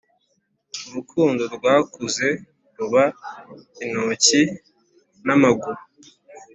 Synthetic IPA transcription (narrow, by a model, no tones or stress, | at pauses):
uɾukʰuːndoɾbwaːkuze̞ | ɾuβa | inoːci | namaɡu